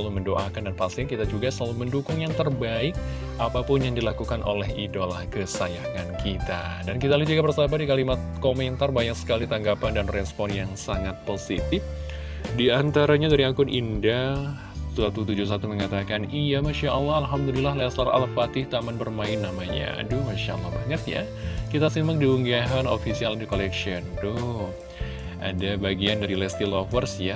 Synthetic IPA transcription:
əaluməndoʔa̰kandanpasinkit̪ad͡ʒuɡasəlaluməndukʊŋjaŋt̪ərbaɪk̚ | ʔapapʊnjaŋdilakukanʔo̰lɛɦidolahkəsajakankʰit̪a̰dankit̪alahd͡ʒuɡabərsabadikalimat̪̚komɛnt̪arbaɲaksə̥kalit̪aŋɡapandanrɛspɔnjaŋsaŋat̪̚posit̪ɪf | diant̪aɾaɲadaɾiakʊnʔḭnda | suat̪ut̪ud͡ʒʊs̬at̪uməŋat̪akanijamaʃaʔalːɑɦalɦamdulilahlɛslala̰lpat̪ɪht̪amanbərmaɪnːamaɲa̰dʊhmaʃa̰la̰hbaɲət̪ja̰ | kit̪asimak̚diuŋɡaɦanofisialdikolɛkʃiɔndʊ | ʔa̰dabaɡiandaɾilɛst̪ilɔfərsja

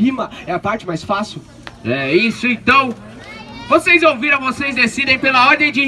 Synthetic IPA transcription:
imɐɛɐpaɾt͡ʃɪmajsfasiʊ | ɛisʊẽnt̪ɐ̃w̃ | vosejzowviɾɐ̃vosejzd̪esid̪ẽj̃pelɐɔd̪ẽj̃d͡ʒɪ

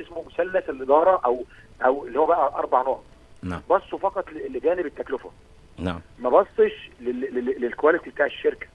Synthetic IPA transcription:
ʔesmomʊsælːæselʔed̪ɑːɾˤɑʔæwʔæwelːihowːæbæʔæʔɑɾˤbɑʕnoːʕ | a̰bɑsˤːofɑqɑt̪ˤllːɡæːnebet̪ːæklʊfʊ̰ | na̰mæbɑsˤːeʃleelelkowælet̪ibet̪aːʕeʃːeɾkæ̥

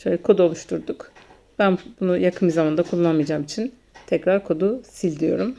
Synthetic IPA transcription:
ʃøjlʲɛkʰo̞d̪uo̞lˠuʃt̪ʰuɾd̪uk | b̥ænbunujakʰɯnizamand̪akʰulˠːanmijad͡ʒaːmit͡ʃʰin | t̪ʰɛcɾaɾkʰo̞d̪usilʲd̪ijo̞̰ɾum

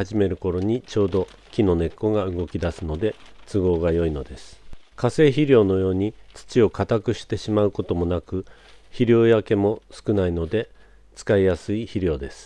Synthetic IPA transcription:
aʑime̞ɾɯ̟ko̞ɾo̞ɲ̟it͡ɕo̞ːd̪o̞ | kʲino̞ne̞kːo̞ɡaɯ̟ɡo̞kʲid̪asɨno̞d̪e̞t͡sɨɡo̞ːɡajo̞ino̞d̪e̞sɨ̥kase̞ːçiɾʲo̞ːno̞jo̞ːɲ̟it͡sɨ̥t͡ɕio̞kat̪akɯ̟ɕi̥t̪e̞ɕimaɯ̟ko̞t̪o̞mo̞nakɯ̟ | çiɾʲo̞ːjake̞mo̞sɨ̥kɯ̟naino̞d̪e̞ | t͡sɨ̥kaijasɨiçiɾʲo̞ːd̪e̞sɨ̥

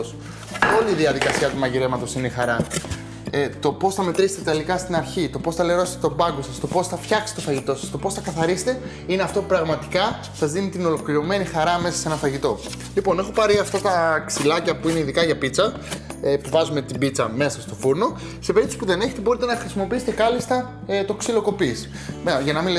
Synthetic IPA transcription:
os | o̞liːðiɐðikɐsiɐt̪umɐɲʝele̞mɐt̪o̞sinexɐɾɐ | t̪o̞po̞sθɐme̞t̪ɾise̥t̪et̪elikɐst̪inɐɾçit̪o̞po̞sθɐleɾo̞se̥t̪et̪o̞bɐɡo̞sɐst̪o̞po̞sθɐfçɐksi̥t̪o̞fɐʝit̪o̞sɐst̪o̞po̞sθɐkɐθɐɾise̥t̪e̞ | ineɐft̪o̞pupɾɐɣmɐt̪i̥kɐ | sɐzðinit̪ino̞lo̞kliɾo̞me̞nixɐɾɐme̞sɐ̥senɐfɐʝit̪o̞ | lipo̞ne̞xo̞pɐɾiɐft̪ɐt̪ɐksilɐcɐpuineiðikɐʝɐpit͡sɐ | puvɐzume̞t̪ibit͡sɐme̞sɐst̪o̞fuɾno̞ | sepe̞ɾip̚t̪ospuðe̞neçe̞t̪e̞bo̞ɾit̪enɐxɾisimo̞piiset̪e̞kɐlist̪ɐ | t̪o̞ksilo̞ko̞pisi̥ | meʝɐnɐmile

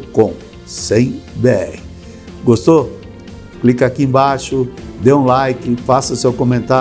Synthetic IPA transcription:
kõ | sẽj̃be | ɡost̪o | klikɐakiẽbaʃʊd̪eũlajkɪfasɐsewkõmẽnt̪a

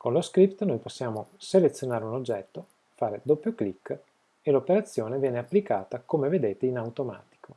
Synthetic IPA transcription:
konloskɾipt̪nojposːjaːmoselet̪sːjonaːɾeunod͡ʒːɛt̪ːo | faːɾed̪opːjoklikː | elopeɾat̪sːjoːnevjɛːneapːlikaːt̪akomeved̪eːt̪einawt̪oma̰ːt̪i̥kʰo

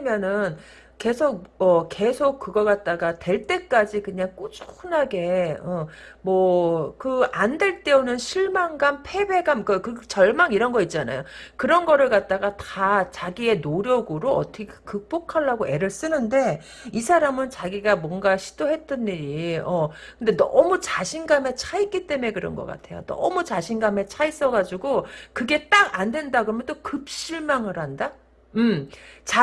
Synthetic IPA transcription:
imjʌnɯn | ke̞sʰok̚ʌke̞sʰok̚k͈ːɯɡʌkat̚t͈aɡatwe̞ɭt͈e̞k͈ad͡ʑikɯɲaŋk͈ot͡ɕ͈ʰo̥xʰɯnaɡe̞ʌmwʌkɯande̞ɭt͈e̞onɯnɕʰiɭmaŋɡanpʰe̞be̞ɡankʌkɯt͡ɕʌɭmaŋiɾʌnɡʌit̚t͡ɕ͈ana̰jokɯɾʌnɡʌɾɯɭkat̚t͈aɡatat͡ɕaɡie̞noɾjʌɡɯɾoʌtʰʌkʰkɯk̚p͈okʰaɭːaɡoʔe̞ɾɯɭs͈ɯnɯnde̞ | isʰaɾamɯnt͡ɕaɡiɡamwʌnɡaɕʰi̥d̥oɦe̞t͈ɯnːiɾiʌ | kɯnde̞nʌ̰mut͡ɕaɕʰinɡame̞t͡ɕʰaik͈it͈e̞me̞kɯɾʌ̰nɡʌ̰k͈a̰tʰe̞̰jo̰nʌ̰mut͡ɕaɕʰinɡame̞t͡ɕʰais͈ʌɡad͡ʑuɡokɯɡe̞t͈aɡandwe̞ndaɡɯɾʌmjend͈okɯp̚ɕ͈iɭmaŋɯɾhanda | ɯmt͡ɕa

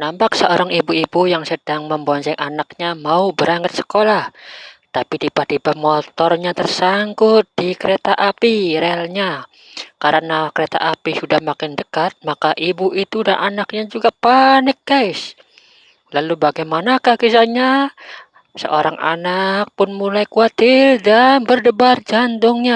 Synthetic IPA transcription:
nampaksəoɾaŋibuibujaŋsədaŋməmbonsaŋʔanak̚ɲamaubəɾaŋət̪̚sə̥kolaht̪apidipadipamɔt̪ɔrɲat̪ərsaŋkʊt̪̚d̥ikəɾet̪aʔapiɾɛalɲa | kaɾənakəɾet̪a̰ʔapisudahmakɪndəkat̪̚makaʔibuit̪udanʔanak̚ɲad͡ʒuɡapanɪk̚ɡ̥aɪs | lalubaɡajmanakahkisaɲa | sə̰ʔoɾaŋa̰nak̚pʊnmulajkuat̪ɪrdanbərdəbard͡ʒant̪ʊŋɲa

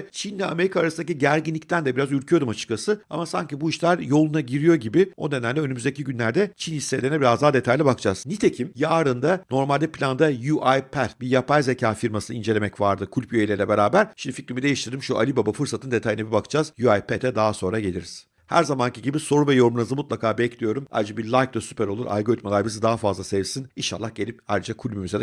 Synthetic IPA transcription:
ɛt͡ʃʰind̪ɛame̞ɾikaːɾasɯnd̪aciɟæɾɟinʲic̚t̪ʰænd̪ɛbiɾazyɾcʰyjo̞ɾd̪umat͡ʃʰɯ̥klasɯamasaɲcibuiʃlʲæɾjo̞lˠunaɟiɾijo̞ɟibio̞d̪ed̪ænlʲɛønymyzd̪eciɟynlʲæɾd̪ɛt͡ʃʰinhisːelʲeɾnɛbiɾazd̪aɦad̪e̞t̪ʰajlʲɛbakʰɯd͡ʒaz̥nit̪ʰe̞cʰimjaːɾɯnd̪ano̞ɾmalʲd̪ɛpʰlʲand̪ajuʔajpʰæɾbijapʰajze̞cʰaːfiɾmasɯnind͡ʒe̞lʲe̞mɛcvaɾd̪ɯkʰulʲpjøjelʲeɾlʲɛbe̞ɾaːbæɾʃimd̪ific̪ɾimid̪e̞jiʃt̪iɾd̪imʃuʔa̰lʲibabafɯɾsat̪ɯnd̪e̞t̪ʰajɯnabibakʰɯ̥d͡ʒaz̥juajpʰet̪ɛd̪aɦaso̞nɾaɟe̞lʲiɾi̥z̥ | hæ̰ɾzamanciɟibiso̞ɾuvɛjo̞ɾmunɯzɯmut̪̚lˠakʰaːbɛclʲijo̞ɾuma̰jɾɯd͡ʒabiɾlʲˠajk̚d̪asypʰɛɾo̞lˠuɾʔa̰jɡo̞ɾit̪̚malˠaɾbizɯd̪aɦafazlˠasevsininʃa̰lˠːahɟe̞lʲipajɾɯd͡ʒakʰulʲmymyzed̪

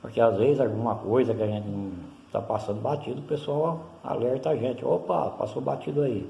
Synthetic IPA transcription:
pʊɾkeazvezɪzawɡũmɐkojzɐkɪaʒẽnt͡ʃɪnɐ̃w̃ | t̪a̰pasɐ̃nd̪ʊbat͡ʃid̪ʊpesuawa̰lɛɾt̪ɐaʒẽt͡ʃɪopa̰pa̰sobat͡ʃid̪ʊai

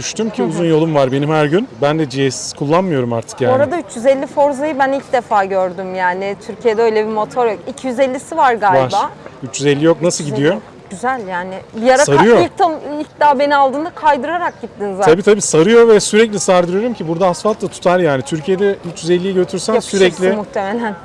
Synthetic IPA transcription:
d̪yʃt̪ymcʰiuzunjo̞lˠumvaɾbe̞nimhæɾɟynbænd̪ɛd͡ʒijɛsi̥z̥kʰulˠːanmɯjo̞ɾumaɾt̪ʰɯ̥kjaːoɾad̪ayt͡ʃjyzɛlʲːifo̞ɾzajɯbænilʲcd̪efaːɟøɾd̪ymjaːnɪt̪ʰyɾcʰijed̪ɛø̞jlʲebiɾmo̞t̪ʰo̞ɾjokicʰijyzɛlʲːisivaɾɡavaɾayt͡ʃːjyzɛlʲːijo̞knasɯlˠɟid̪ijo̞ | ɟ̥yzælʲjaːnɪbijaɾasaɾɯjoit̪ʰːɯmilʲc̚d̪aːbe̞ninalˠd̪ɯːnd̪akʰajd̪ɯɾaɾak̚ɟit̪ːinzat̪abiːt̪ʰabiːsaɾɯjo̞vɛsyɾɛclʲisaɾd̪ɯɾjoɾumcʰibuɾd̪aasfalt̪lˠat̪ʰu̥t̪ʰaɾjaːnit̪ʰyɾcʰijed̪ɛyt͡ʃjyzɛlʲːijiɟø̞t̪ʰyɾsænsyɾɛclʲɪmuht̪ʰemelʲæn

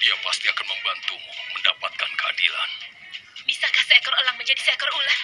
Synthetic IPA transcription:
iapast̪iakanməmbant̪uməndapat̪̚kankəa̰dḭla̰n | bisakahsaakərolaŋməɲd͡ʒadisaakəɾola

